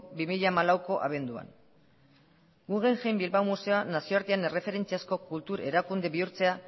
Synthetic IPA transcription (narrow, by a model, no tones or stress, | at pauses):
bimiʎamalawko̞ʔa̰βe̞nd̪ua̰n | ɡuɣe̞ŋʝejmbilβawmuse̞oanasio̞aɾt̪iane̞re̞fe̞ɾe̞nt͡siasko̞kult̪uɾe̞ɾakund̪e̞βiuɾt͡se̞a